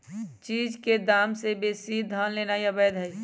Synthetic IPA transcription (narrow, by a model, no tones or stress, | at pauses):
t͡ʃiːd͡ʒked̪aːmsebesid̪ʱənleːnajəbɛd̪ɦəj